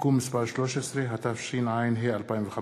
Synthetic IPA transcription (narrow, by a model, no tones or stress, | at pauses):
kumːispaʁʃloʃesʁeɦat̪afʃinʕajnɦealpaimvexa